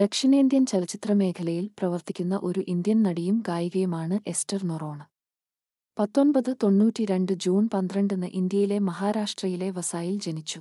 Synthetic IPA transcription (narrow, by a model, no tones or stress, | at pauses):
d̪̥ekʂinɐind̪jɐnt͡ɕɐlɐt͡ɕːit̪rɐme̞ːkʰɐlɐjilprɐʋɐrt̪ikʲːunːɐʔo̞ɾuʔind̪jɐnnɐɽijumkaːjiɣɐjumaːɳɨʔe̞stɐrnuro̞ːɳɨ | pɐt̪ːo̞nbɐðɨt̪o̞ɳːuːtʲːiɾe̞ɳɖɨd͡ʑuːnpɐnd̪rɐɳɖenːɨʔind̪jɐjile̞mɐɦaːɾaːʂʈrɐjile̞ʋɐsaːjild͡ʑe̞nit͡ɕːu